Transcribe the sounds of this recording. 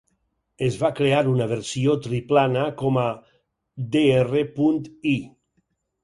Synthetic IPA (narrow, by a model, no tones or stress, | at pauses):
ezβakɾeaɾunaβeɾsiot̪ɾiplanakɔma | d̪eerepunt̪i